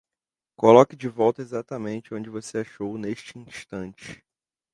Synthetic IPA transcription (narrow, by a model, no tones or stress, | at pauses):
kolɔkɪd͡ʒɪvɔwt̪ɐezat̪ɐmẽnt͡ʃɪõd͡ʒɪvoseaʃowneʃt͡ʃɪĩʃt̪ɐ̃nt͡ʃɪ̥